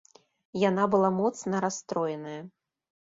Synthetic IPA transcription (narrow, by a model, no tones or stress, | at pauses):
jan̪abɨlˠamɔt̪snɐɾast̪ɾɔjɛnɐjɐ